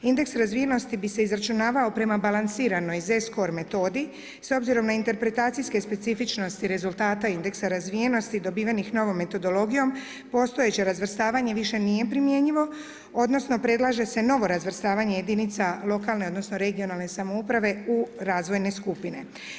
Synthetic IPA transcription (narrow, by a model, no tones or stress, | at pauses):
ind̪e̞ksɾazʋije̞no̞st̪ibise̞izɾat͡ʃunaːʋao̞pɾe̞mabalansiːɾano̞jze̞sko̞ɾme̞t̪o̞ːd̪i | so̞bziɾo̞mnaint̪e̞ɾpɾe̞t̪aːt̪sijske̞spe̞t̪sifit͡ʃno̞st̪iɾe̞zult̪aːt̪aind̪e̞ksaɾazʋije̞no̞st̪id̪o̞biːʋanixno̞ʋo̞mːe̞t̪o̞d̪o̞lo̞ɡijo̞m | po̞st̪o̞je̞t͡ɕeɾazʋrst̪aːʋaɲe̞ʋiʃe̞nije̞pɾimje̞ɲiʋo̞ | o̞d̪no̞sno̞pɾe̞d̪lˠaʒe̞se̞no̞ʋo̞ɾazʋr̩st̪aːʋaɲe̞je̞d̪init̪salˠo̞kalneo̞d̪no̞sno̞ɾe̞ɡijo̞nalˠne̞samo̞upɾaʋe̞uɾaːzʋo̞jne̞skupine̞